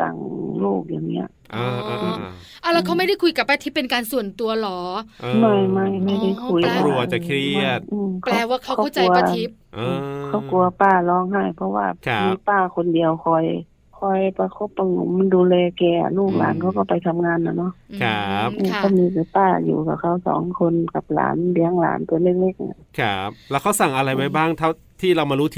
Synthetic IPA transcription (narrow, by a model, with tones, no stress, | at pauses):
t̪a̰˨˦ŋloː˧˩k̚jaː˨˩ŋnḭ˦˥ɐ̰˧˨ʔʔɯː˧˩ʔʔa˧˨la˧wkʰa˧˩wma˥˩jda˧˥˨jkʰu˧˩jka˧˩pːa˧˨˦t̪ʰiː˧˥˩pe˨nkaː˨nsu˨˩ənt̪u˨˧ɐlɔː˨˦ma˧˥˩jma˥˩jma˧˥˩jda˧˥˩jkʰu˧˩jla˧ | ʔɯː˧˩mkʰplaː˧waː˧˩kʰa˧˩wkɔ˧ɔ˥˩˨t͡ɕa˨u˧˨˧ɐ˧a˧i˦˥p̚ʔkʰa˧˩wku˨˧ɐpaː˧˩lɔː˧˥ŋɦa˧˥˩jpʰɔ˧waː˧˩˧miː˧˥paː˧˩kʰo˧ndi˨əwkʰɔ˧˩j | kʰɔ˧˩jpa˧kʰo˧˩pːɔ˧˩ŋ˧m˧nduː˧lɛː˧kɛː˧a̰˨˧luː˧˥˩k̚la̰ː˨˦nkʰa˧˩wkɔ˧˩pa˨jt̪ʰa˧mŋaː˧˥nːa˧nɔ˧˥˨ʔkʰa˦˧˦p̚ʔɯː˧˩kʰa˧˩miː˧˥ka˨˧˩paː˧˩jṵː˨˩ka˧˩kʰa˧˩wsɔ̰ː˨˦ŋkʰo˧nka˧˦p̚la̰ː˨˦nbi˧˦əŋla̰ː˨˦nt̪u˧˦˨le˧˥˩k̚le˧˥˩k̚ʔa̰˧˩kʰa˦p̚lɛː˧˥wkʰa˧˥˩wsa˨˩ŋʔa˧la˧jwa˧jbaː˥˩ŋt̪ʰa˧˥˩ | t̪ʰiː˧˩la˧˩wmaː˧ɾuː˦˥t̪ʰ